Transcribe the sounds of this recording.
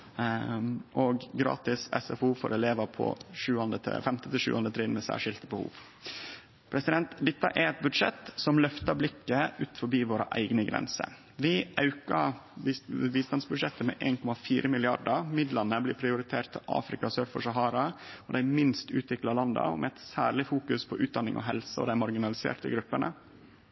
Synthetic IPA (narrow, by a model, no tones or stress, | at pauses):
ʔɔɡɡɾɑ̰ːt̪ɪsɛ̰sɛfuːfɔ̰ɾɛleːʋəpʰɔ̰ʂʉːɑnd̪ət̪ʰfɛmt̪ət̪ɪʃʉ̰ːʔɑnd̪ət̪ʰɾɪːnmɛsæ̰ːʂɪlt̪əbəhṵːʋ | pʰɾɛsɪd̪ɛnt̪d̪ɪt̪ːɑ̰ʔæɾɛt̪̚bʉd̪ʂɛ̰t̪sɔmlœft̪əblɪkːəʉːt̪fɔbiːʋoːɾə̰ʔæ̰ɪɡnəɡɾɛ̰nsə̰ | ʋɪʔɑʉkɑ | ʋiːst̪ɑnsbʉd̪ʂɛt̪ːəmɛ̰ʔeːnkʰɔmɑfiːɾəmɪlɪɑɖəmɪd̪lɑnəblɪːpʰɾɪʊɾɪt̪ʰeːʈt̪ʰɪʔɑ̰ːfɾɪkɑsøːɾfɔ̰ʂɑɦɑːɾɑɔd̪æɪmɪnst̪ʉ̰ːt̪ʋɪklɑlɑnd̪ɑ̰ɔ̰mʔɛɛt̪sæːɾɭɪfuːkʉspʰɔʔʉːt̪̚d̪ɑnːɪ̰ŋʔɔ̰ɦɛlsəɔ̰d̪æɪmɑɾɡɪnɑlɪsḛːʈə̰ɡɾʉpːəɳə̰